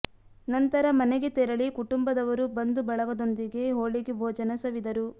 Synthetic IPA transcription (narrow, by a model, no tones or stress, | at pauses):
nɐnt̪ɐɾɐmɐnɛɡet̪ɛɾɐɭikuʈumbɐd̪ɐʋɐɾubɐnd̪ubɐɭɐɡɐd̪o̞nd̪iɡe̞ɦoːɭiɡebʱoːd͡ʒɐnɐsɐʋid̪ɐɾu